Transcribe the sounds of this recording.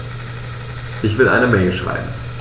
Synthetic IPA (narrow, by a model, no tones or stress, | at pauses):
ʔɪçv̥ɪlʔa̰ɪnəmɛɪlʃʁ̥a̰ɪbm̩m̩